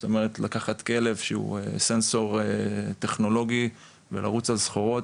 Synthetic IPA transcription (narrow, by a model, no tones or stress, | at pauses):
t̪ome̞ʁ̞et̪lakaχat̪ke̞le̞vʃeṵesenso̞ʁet̪e̞χno̞lo̞ɡi | vḛla̰ʁut͡salsχoʁo̞t